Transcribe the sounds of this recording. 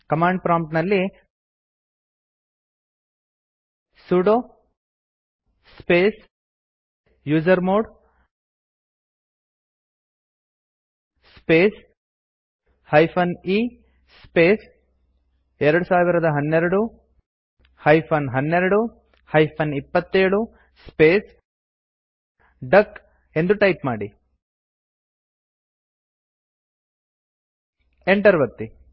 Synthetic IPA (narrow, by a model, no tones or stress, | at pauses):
kɐmaːɳɖpɾaːmpʈnɐlːi | suːɽo | speːs | juːd͡ʒɐɾmoːɽ | speːs | hɐjpʰɐniː | speːs | ɛɾɐɽusaːʋiɾɐd̪ɐɦɐnːeɾɐɽu | hɐjpʰɐnɦɐnːeɾɐɽu | hɐjpʰɐnipːɐt̪ːeːɽu | speːs | ɖɐkː | e̞nd̪uʈɐjpmaːɽi | eɳʈɐɾʋɐt̪ːi